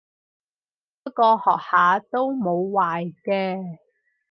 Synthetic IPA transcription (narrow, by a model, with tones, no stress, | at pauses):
pːɐ˥kɔː˧hɔː˨k̚haː˨˥t̪o˥wmo˨˧wwaː˨jkɛː˧